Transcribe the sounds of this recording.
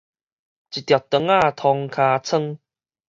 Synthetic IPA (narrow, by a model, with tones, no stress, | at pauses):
t͡ɕi˨˩t̪ja˨˩t̪ːə˨˧˦ŋaː˥˧˩t̪ʰɔ˧ŋkʰaː˧t͡sʰə˥˧ŋ